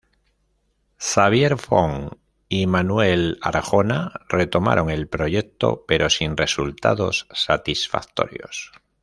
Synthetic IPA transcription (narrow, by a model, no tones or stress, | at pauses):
saβ̞je̞ɾfoŋ | imanwe̞la̰ɾxo̞nare̞t̪o̞ma̰ɾʔo̞ŋe̞lpɾo̞ʝek̚t̪o̞̰pe̞ɾʔo̞sinre̞sult̪a̰ðo̞̰sːat̪isfa̰k̚t̪o̞̰ɾjo̞̰s